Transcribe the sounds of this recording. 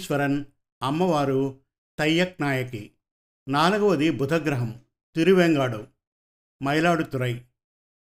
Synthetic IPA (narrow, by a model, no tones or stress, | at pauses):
ʃʋɐɾɐn | ɐmːɐʋaːɾu | t̪ɐjːɐk̚naːjɐkḭ | naːlɐɡɐʋɐd̪ibʱud̪ʱɐɡɾɐɦɐm | t̪iɾuʋeːŋɡaːɽu | mɐjlaːɽut̪uɾɐj